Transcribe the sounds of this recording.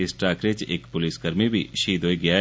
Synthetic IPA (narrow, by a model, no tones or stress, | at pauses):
ɪsʈɾaːkɾet͡ʃḛːkpʊlisɡɐɾmibʱiʃiːd̪ʱɦoːiɡɐja